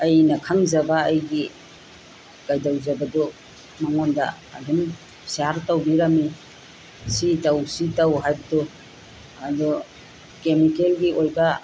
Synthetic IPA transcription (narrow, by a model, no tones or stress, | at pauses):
ɐjnɐkʰaŋzɐbaːjɡi | kajdawzabadɔ | maŋonda̰ːduŋ | siaɾtawbiɾami | sitawsitawɦajbɐdɔ | adɔ | kemikelɡiojba